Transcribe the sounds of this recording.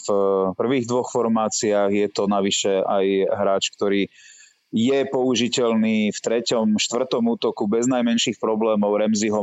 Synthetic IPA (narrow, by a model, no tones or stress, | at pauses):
fpr̩ʋiːɣd̪ʋɔxfɔɾmaːt͡siaːɣjɛt̪ɔnaʋiʃɛajɦɾaːt͡ʃk̚t̪ɔɾiː | jɛpɔuʒicɛlniːft̪ɾɛcɔmʃt̪ʋr̩t̪ɔmuːt̪ɔkubɛznajmɛnʃiːxpɾɔblɛːmɔʊɾɛmziɦɔ